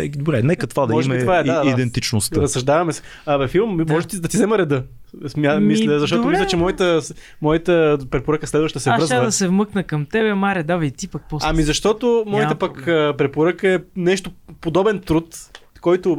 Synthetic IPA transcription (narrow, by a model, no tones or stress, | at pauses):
d̪obɾɛnɛkət̪vad̪ɐɔmɛit̪vaɛd̪aid̪ɛnt̪it͡ʃnost̪əɾɐsɾɐʒd̪avɐmɛsɛ̥ | vɛfilˠmmɔʒɛt̪id̪ɐt̪izɛməɾɛd̪ɤ | smʲamisld̪zɐʃt̪ɔt̪ʊmislʲət͡ʃɛmɔjit̪əs | mɔjət̪əpɾɛpoɾəkəslɛd̪vəʃd̪ɐsɛvɾɤzəd̪ɐsɛvmɤknəkɐmt̪ɛbɛmaɾɛd̪avɐit̪ipɐk̚pɔsamizɐʃt̪ɔt̪ʊmɔjiəpɐkəpɾɛpoɾəkəɛnɛʃt̪opod̪ɔbɛnt̪ɾut̪kɔjt̪ʊ